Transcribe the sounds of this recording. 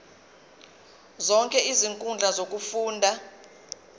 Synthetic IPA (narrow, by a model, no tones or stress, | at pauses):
zɔŋkʼɛiziŋkʼund͡ɮʱazok̬ʼufuːndʱa